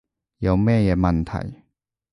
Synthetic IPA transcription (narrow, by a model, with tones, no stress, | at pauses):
ja˨˧wmɛ̃˥˧˨e˧mɐ˨˧nt̪ʰa̰˨˩j